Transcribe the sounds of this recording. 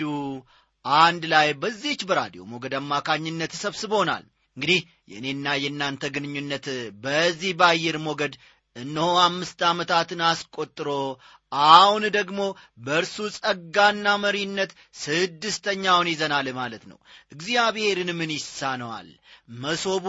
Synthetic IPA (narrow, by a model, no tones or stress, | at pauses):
u | ʔand̪lajbəzːit͡ʃːbəɾa̰d̪ijo̞̰mo̞ɡəd̪amːakʰaɲːɪnːət̪səβsɨbo̞na̰l | ɨŋɡɨd̪ih | jɛ̰ɨne̞nːajɛnːant̪ʰəɡɨnɨɲːunːət̪bəzːihbajːɛɾmo̞ɡəd̪ | ɨnːəhoamːɨst̪amət̪ʰat̪ɨnaskʼo̞t̪ʼːɨɾo̞ | ʔahund̪əɡmo̞ | bəɨɾsusʼəɡanːaməɾinːət̪ | sɨd̪ːɨst̪ʰəɲːawnjɪzənalmalət̪nə̰wʔɨɡzijaβhe̞ɾɨnmɨnjɪsanəwa̰lməso̞b